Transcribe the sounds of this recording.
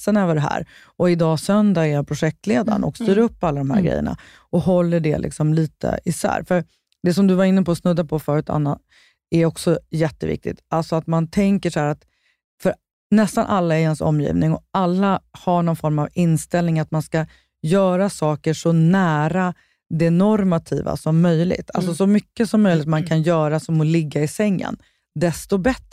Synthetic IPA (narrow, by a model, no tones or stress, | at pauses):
sənøːvəɖɛɦæ̰ːɾ | ɔɪd̪ɑːsœnd̪aæɾjapʰɾʊɧɛk̚t̪leːd̪a̰nɔ̰kst̪yːɾɵpːalːad̪ɔmɦæ̰ɾɡɾɛ̰jːə̰ɳa̰ | ɔɦɔlːəɖɛ̰lʔɪ̰ksɔmliːt̪ʰə̰ɪsæ̰ːɾfœɾ | d̪ɛsɔmd̪ɵvaɾɪnːəpɔːsnɵd̪ːapʰɔfœːɾʉːt̪ʰa̰nːat̪̚ | æɾɔksɔjɛt̪ːəvɪ̰k̚t̪ɪ̰t̪alsɔat̪mant̪ʰɛŋkəʂɔhæːɾat̪ | fœɾ | nɛst̪anʔalːaɛɾhɛnsɔ̰mːjḭːvnɪŋɔalːahaɳɔnfɔɾmavɪnːst̪ɛlnɪŋat̪manska | jœːɾasɑːkəʂɔnæːɾa | d̪ɛnɔɾmat̪ʰḭːva̰sɔmːœjlɪ̰ɡt̪ʰa̰lsɔsɔmʏkːəsɔmːœjlɪt̪mankʰanjœːɾasɔmɔlɪɡːaɪsɛŋːə̰n | d̪ɛst̪ɔbɛt̪ɾ